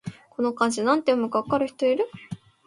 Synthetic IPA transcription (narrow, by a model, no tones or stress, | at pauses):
ko̞no̞kãɲ̟d͡ʑinãnt̪ejomɯ̟ɡakːaɾɯ̟çi̥t̪o̞iɾɯ̟